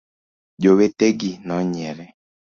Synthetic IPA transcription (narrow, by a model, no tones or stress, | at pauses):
d͡ʒoweteɡinɔɲɛɾɛ